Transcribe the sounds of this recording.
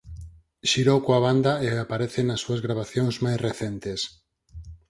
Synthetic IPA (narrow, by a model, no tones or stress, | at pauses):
ʃiɾowkoaβ̞and̪aeapaɾeθenasːuazɣɾaβaθjoŋzmajsreθent̪es